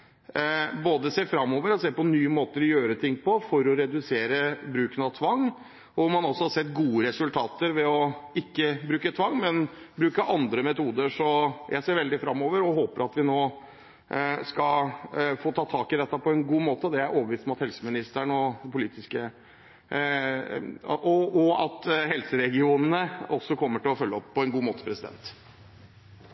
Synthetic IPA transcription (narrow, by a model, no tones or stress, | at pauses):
boːd̪əseːfɾɑmːoːʋəɾɔseːpɔnyːəmoːt̪əɾɔjøːɾət̪ʰɪŋːpʰɔfɔɾɔɾɛd̪ʉseːɾəbɾʉːknɑt̪ʰʋɑŋː | ɔmɑnɔsːɔhɑsɛt̪ːɡuːəɾɛsʉlt̪ʰɑːt̪əɾʋɛɔɪkːəbɾʉːkət̪ʰʋɑŋːmɛn | bɾʉːkəʔɑnd̪ɾəmɛt̪uːd̪əʂɔjæ̰ɪseːɾʋɛld̪ɪfɾɑmːoːʋəɾɔɦoːpəɾɑt̪ʋɪnoː | skɑlfoːt̪ʰɑːt̪ʰɑːkɪd̪ɛt̪ːɑpʰɔɛnɡuːmoːt̪əɔd̪ɛææɾʔoːbəʋiːst̪ɔmɑt̪hɛlsəmɪnɪst̪əɳɔpʊliːt̪ɪskə | ʔɔɔɑt̪hɛlsəɾɛɡɪuːnənəɔsːɔkʰɔmːəʈɪlɔfœlːəɔpʰːɔɛnɡuːmoːt̪ə̥pʰɾɛsɪd̪ɛ̰nt̪